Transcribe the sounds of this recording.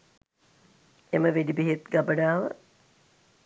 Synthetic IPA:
eməʋedibiɦet̪ɡabəɖaːʋə̰

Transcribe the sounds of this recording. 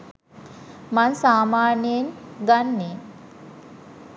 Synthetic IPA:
mansaːmaːnenɡanːen

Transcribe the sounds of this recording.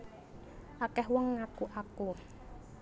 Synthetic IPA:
ʔakɛhwɔŋːakuʔaku

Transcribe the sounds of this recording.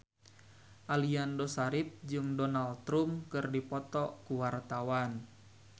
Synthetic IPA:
ʔaliandosaɾip̚d͡ʒɨŋdɔnalt̪ɾumkɨrdipɔt̪ɔkuwart̪awan

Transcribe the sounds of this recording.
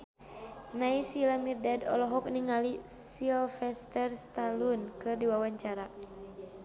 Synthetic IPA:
naisilamirdadɔ̰lɔɦɔk̚niŋalisilfɛst̪ɛrst̪alunkɨrdiwawaɲt͡ʃaɾa

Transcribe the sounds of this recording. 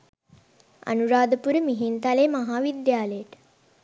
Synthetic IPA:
ɐ̰nuɾaːd̪əpuɾəmiɦint̪aleːmaɦaːʋid̪jaːləjəʈ

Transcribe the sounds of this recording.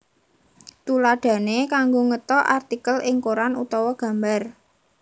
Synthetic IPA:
t̪ulaɖ̥ä̤nekaŋɡoŋət̪ɔʔart̪ikəlʔɪŋkoɾanut̪ɔwɔɡ̥ä̤mbar

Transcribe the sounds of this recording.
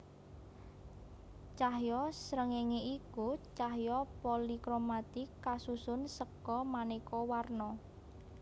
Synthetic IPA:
t͡ʃahjɔsɾəŋeŋeikut͡ʃaɦjɔpolikɾomat̪ɪkːasusʊnsəkɔmanekɔwarnɔ

